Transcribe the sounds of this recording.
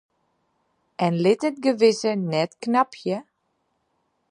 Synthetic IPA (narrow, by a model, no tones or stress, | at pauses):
ʔɛnlɪtət̚ɡəʋɪsənɛtknapʰjə